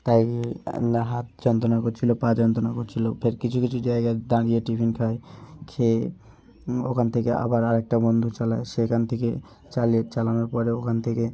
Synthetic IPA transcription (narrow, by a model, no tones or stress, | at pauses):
t̪aikinaɦat̪̚d͡ʒɔnt̪onakot͡ʃʰilopãd͡ʒɔnt̪onakot͡ʃʰilopʰeɾkit͡ʃʰukit͡ʃʰud͡ʒaeɡad̪ãɾieʈipʰinkʰaekʰe | o̰kʰant̪ʰekeʔa̰baɾaɾek̚ʈabɔnd̪ʱut͡ʃalaesekʰant̪ʰeke | t͡ʃaliet͡ʃalamepɔɾeokʰant̪ʰeke